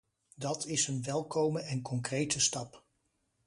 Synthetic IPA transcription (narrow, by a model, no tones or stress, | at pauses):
dɑtʰɪsənʋɛlˠkowməɛnkɔŋkrejtəstɑp